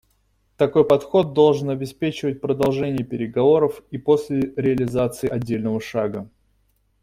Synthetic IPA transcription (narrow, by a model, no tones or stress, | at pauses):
t̪ɐko̞jpɐt̪xo̞d̪̚d̪o̞lˠʐɨnɐbʲɪspʲet͡ɕɪvət̚ʲpɾəd̪ɐlˠʐɛnʲɪjəpʲɪɾʲɪɡɐvo̞ɾəfipo̞sʲlʲɪɾʲɪɐlʲɪzat̪sɨɪɐdʲːelʲnəvəʂaɡə